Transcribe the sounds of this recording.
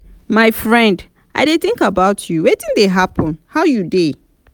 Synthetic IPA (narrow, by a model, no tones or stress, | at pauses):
maɪfɹɛ̃nd | ʔa̰ɪdeθɪ̃ŋkabaʊtʰjuwetĩndeɦapɔ̃nhaʊjude